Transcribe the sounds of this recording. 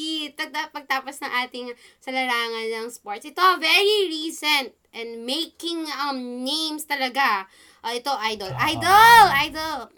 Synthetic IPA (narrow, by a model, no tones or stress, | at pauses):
it̪ɐd̪ɐpɐɡ̚t̪aːposnɐŋʔaːt̪ɪŋsɐlɐɾaːŋɐnːɐŋspoɹt̪sʔɪt̪oɐvɛɹiɹiːsɛnt̪̚ʔɛ̃nd̪mejkɪŋɐmnẽjmst̪ɐlɐɡa | ʔʔɪt̪o̞ʔajd̪olʔajd̪olʔajd̪ɐl